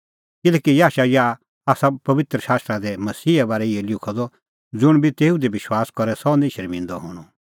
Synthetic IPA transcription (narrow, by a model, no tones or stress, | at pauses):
kɪlɛːkijaːʃaja | aːsapɐʋɪt̪ɾəʃaːst̪ɾad̪ɛmɐsiːɛbaːɾɛɪɛlɪkʰɔd̪ɔ | d͡zʊɽ̃bit̪eːud̪ebɪʃwaːskɔɾɛsɔnẽːʃɐɾmɪ̃nd̪ɔɦɔːɽ̃ɔ